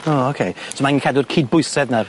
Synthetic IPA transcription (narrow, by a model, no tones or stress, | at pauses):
ookʰejsɔmanikʰadʊrkʰiːd̚bʊɨsɛðnar